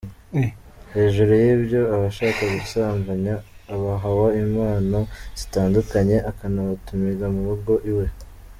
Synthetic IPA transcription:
he̞ːʒuɾujibjo̞aβaʃaːkaɡusaːmvaɲaːβaɦawaimaːnaz̥itaːndukaɲe̞ʔakanaβatumiɡamuβuɡo̞ʔiwe̞

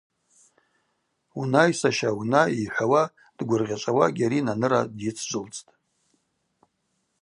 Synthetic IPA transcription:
unajsaʃaunaiħʷawa | d̥ɡʷʊrʁʲat͡ʃʷʼawaɡʲaɾinanɨɾadjit͡sʰd͡ʒʷʼʊlt͡sʼtʼ

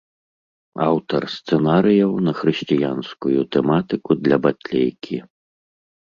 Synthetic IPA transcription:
a̰wt̪ɐ̰rst̪sɛnaɾɨjɐwnɐxɾɨɕʲt͡sʲijanskujut̪ɛmat̪ɨkud̪lʲɐbat̪ʲlʲejkʲʰi

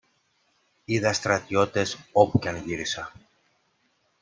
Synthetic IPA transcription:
iðɐst̪ɾɐt̪io̞t̪e̞so̞puceɐnʝiɾisɐ

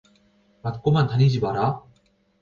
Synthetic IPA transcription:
mat̪k͈omant̪ʰanʲid͡ʑibaɾa

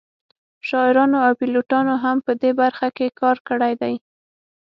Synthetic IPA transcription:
ʃɑɪɾɑnoawpiloʈɑnoɦampəd̪ebaɾxakekɑɾkəɽajd̪aj

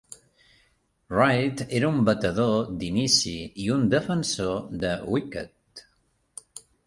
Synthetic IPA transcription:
rajt̪eɾumbət̪əðod̪inisiiund̪əfənsoðəwikə̰t̪

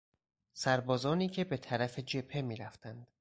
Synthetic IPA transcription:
sæɾbɒːzɒːniːcʰe̞be̞t̪ʰæɾæfe̞d͡ʒe̞pʰe̞miːɾæft̪ʰænd̪̥

